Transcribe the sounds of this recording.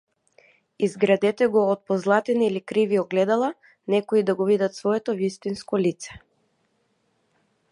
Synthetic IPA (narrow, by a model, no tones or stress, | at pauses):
izɡɾad̪ɛt̪ɛɡɔːt̪̚pɔzlˠat̪ɛniilikɾiviɔɡlɛd̪alˠa | nɛkoid̪aɡɔvid̪at̪svɔɛt̪ɔvist̪inskɔlit̪sɛ̥